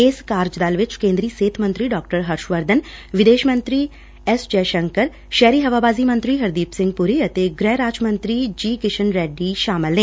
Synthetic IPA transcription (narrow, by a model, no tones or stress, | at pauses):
eskaːɾd͡ʒd̪aːlʋɪt͡ʃkẽːnd̪ɾiːseːt̪ʰmə̃nt̪ɾiɖɔːk̚ʈəɾɦɐɾʃʋəɾd̪ʱənʋɪd̪eːʃmə̃nt̪ɾi | ɛsd͡ʒɛːʃə̃ŋkəɾ | ʃɛːɾiːɦɐʋaːbaːzimə̃nt̪ɾiɦɐɾd̪iːpsɪ̃ŋɡ̚pʊɾiɐt̪eɡɾɛːɾaːt͡ʃmə̃nt̪ɾid͡ʒiːkɪʃənɾɛːɖiʃaːmɪlnẽː